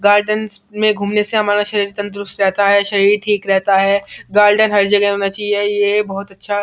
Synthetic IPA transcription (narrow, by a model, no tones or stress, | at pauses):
ɡaːɾɖənsmẽɡʱuːmneseɦɐmaːɾaʃɐɾiːɾt̪ɐ̃nt̪̬ɾʊst̪ɾɛɦt̪aɦɛːʃɐɾiːɾʈʰiːkɾɛɦt̪aɦɛːɡaːɾɖənɦɐɾd͡ʒɐɡɦɦoːnat͡ʃaːɦiejebɐɦʊt̪ɐtːʃʰa